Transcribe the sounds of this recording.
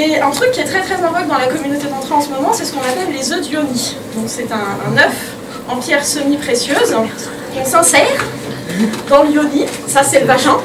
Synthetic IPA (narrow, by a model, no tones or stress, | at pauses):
eɛ̃t̪χykʲːiɛt̪χɛt̪χɛzɛ̃vɔk̚d̪ɑ̃lakɔmynot̪ed̪ɑ̃t̪χøɑ̃səmɔmɑ̃sɛsə̥kɔ̃napɛlːezød̪jomi | d̪ɔ̃ksɛt̪ɛ̃nœf | ɑ̃pjɛʁsəmipχesjøz̃ | kɔ̃sɛ̃sɛʁ | d̪ɑ̃ljoni | sasɛləvaʒɛ̃